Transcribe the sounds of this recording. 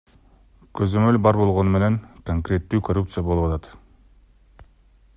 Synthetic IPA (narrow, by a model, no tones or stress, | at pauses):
køzø̞mø̞lbɑɾbo̞lˠʁo̞nume̞ne̞ŋkoŋkɾʲe̞t̪ːyːkorup̚t̪sɨjabo̞lˠupɑt̪ɑt̪